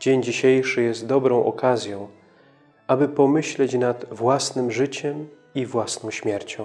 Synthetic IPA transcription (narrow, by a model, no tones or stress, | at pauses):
d͡ʑeɲd͡ʑiɕejʂɘjɛst̪̚d̪ɔbɾɔ̃w̃ʔɔ̰kazʲjɔ̃w̃ | ʔabɘpɔmɘɕlɛt͡ɕnad̪vwasnɘmʐɘt͡ɕɛm | ivwasnɔ̃w̃ɕmʲjɛɾt͡ɕɔ̃w̃